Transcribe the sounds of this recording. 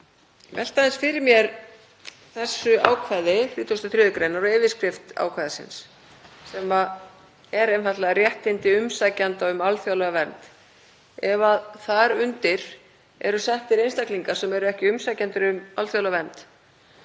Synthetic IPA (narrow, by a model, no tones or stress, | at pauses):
vɛ̰l̥t̪aðɪnsfɪɾɪɾmjɛɾ | θɛsːʏa̰ːwkʰvajðɪθɾiːt̪ʰost̪aθɾjʏːðʏkɾejnaɾɔɛːvɪ̥skɾɪft̪a̰ːwkʰvajðɪsɪ̰nsː | ɛma | ɛɾejnfat̪lɛɣarjɛht̪ːɪnt̪ɪʏmsajcant̪aʏmalθjawlaɣvɛnt̪ | ɛvaðθaɾʏnt̪ɪɾ̥ | ɛ̰ɾʏsɛht̪ɪɾejnst̪akliŋkḁsɛmɛɾʏɛhcɪʏmsajcant̪ɪɾʏmalθjawlaavɛnt̪